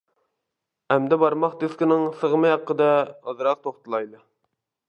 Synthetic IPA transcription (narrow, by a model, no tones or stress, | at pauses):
æmd̪ɛbɑɾmɑχt̪eskʲinɪŋsəʁəmɨjɑqːəd̪ɛɑzɾɑq̚t̪ʰoχt̪ɨlˠɑjlˠ